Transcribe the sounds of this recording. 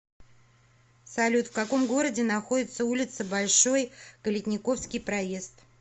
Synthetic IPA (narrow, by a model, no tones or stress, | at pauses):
sɐlʲut̪fkɐko̞mɡo̞ɾədʲɪnɐxo̞dʲɪt̪səulʲɪt̪səbɐlʲʂo̞jkəlʲɪtʲnʲɪko̞fskʲɪjpɾɐje̞st̪